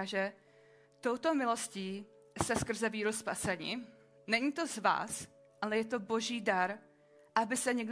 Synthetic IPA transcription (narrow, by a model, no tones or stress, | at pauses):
aʒɛ | t̪o̞wt̪o̞mɪlo̞sciː | st̪ɛskr̩zɛviːɾospasɛɲɪ | nɛɲit̪o̞zva̰ːs | ʔalɛjɛt̪o̞bo̞ʒiːdaɾ | ʔabɪsɛɲɛɡ